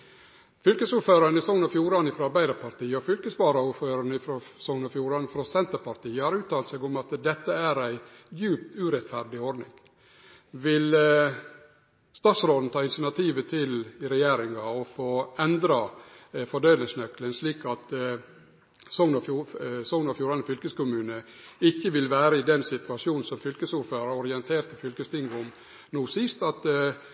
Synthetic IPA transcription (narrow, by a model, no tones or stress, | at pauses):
fʏlkəsuːɾføːɾɑnɪsɔŋnɔfjuːɾɑnɪfɾɔɑɾbæɪd̪əɾpʰɑɾt̪iːəɔfʏlkəspɑːɾɑuːɾføːɾɑɳəɪfɾosɔŋnɔfjuːɾɑnfɾɔsɛnt̪əɾpɑɾt̪iːəhɑːɾʉːt̪ɑːlt̪sɛːɡʊmɑt̪d̪ɛt̪ːəæɾæɪjʉːpt̪ʉɾɛt̪fæɾɖɪɔɖ̪nɪ̰ŋ | ʋɪl | st̪ɑːt̪sɾoːd̪n̩t̪ɑːɪnsənɑt̪ʰiːʋət̪ʰɪlɪɾɛjeːɾɪŋɑɔfoːɛnd̪ɾɑ | fɔɖeːləŋsnœklənsliːkɑt̪ | sɔŋnɑsɔŋnɑfjuːɾɑnəfʏlkəskʊmʉːnəɪçːəʋɪlʋæːɾəɪd̪ɛnsɪt̪ʉɑʂjuːnnsɔmfʏlkəsuːɾføːɾɑɔɾɪɛnt̪ʰeːɾt̪əfʏlkəst̪ʰɪŋɡʊm | nuːsɪst̪ɑt̪